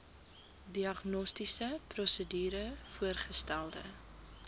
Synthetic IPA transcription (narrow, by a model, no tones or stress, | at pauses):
diɐχnɔstisəprɔsədyːɾəfuərχəstælˠdə̰